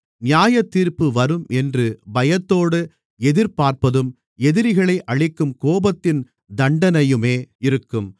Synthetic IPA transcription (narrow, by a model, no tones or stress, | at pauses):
nɪjaːjɐt̪ːiːɾpɯʋɐɾɯmʔɛndrɯbɐjɐt̪ːoːɽɯ | ɛðɪɾpaːɾpɐðɯm | ɛðɪɾɪɣɐɭɐɪʔɐɻɪkːɯmkoːbɐt̪ːɪn | d̪ɐɳɖɐnɐjɯmeːɪɾɯkːɯm